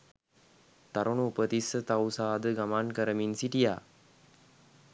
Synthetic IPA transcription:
t̪aɾʔunuupət̪isət̪awsaːd̪əɡamankəɾəminsiʈija̰ː

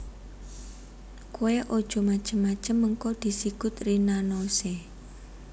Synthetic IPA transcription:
koweʔod̥ʒ̥o̤mḁt͡ʃəmːḁt͡ʃəmːəŋkɔd̪̥i̤siɡ̥ʊt̪rinanose

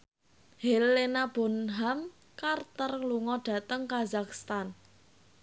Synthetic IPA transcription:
helenab̥o̤nɦam | kart̪ərluŋɔɖ̥a̤t̪əŋkazakst̪an

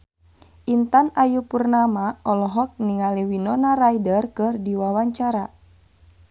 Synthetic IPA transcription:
ʔint̪anajupurnamaɔlɔɦɔk̚niŋaliwinɔnarajdərkɨrdiwawaɲt͡ʃaɾa

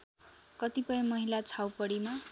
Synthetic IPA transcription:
kʌt̪ipʌjʌ̃mʌɦilat͡sʰawpʌɽima

